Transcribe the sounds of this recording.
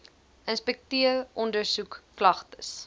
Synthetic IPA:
ənspɛk̚tiərʔɔndərsukːlɐχtəs

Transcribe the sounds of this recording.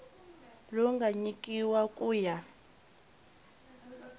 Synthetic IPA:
lɔŋɡaɲikʼiwakʼuːja

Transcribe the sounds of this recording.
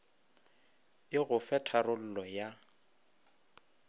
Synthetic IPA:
ɪɣʊfɛtʰarʊl̩lɔja

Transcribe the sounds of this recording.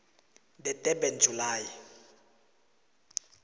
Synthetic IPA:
dɛtʼɛbɛnd͡ʒʱulaːji

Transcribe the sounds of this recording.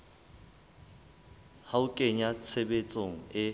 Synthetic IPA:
haʊkʼeɲat͡sʰebet͡sʼoŋ̩ɪ

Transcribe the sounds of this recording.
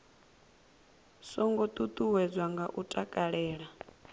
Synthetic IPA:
sɔŋɡɔt̪ʼut̪ʼuwɛd͡zwaŋɡaʔutʼakʼaɺɛːɺa

